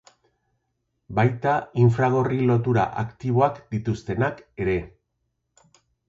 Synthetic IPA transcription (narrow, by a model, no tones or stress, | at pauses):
bajt̪aiɱfɾaɣ̞o̞rilo̞t̪uɾa̰ʔakt̪iβ̞o̞akd̪̥it̪ust̪e̞nake̞ɾe̞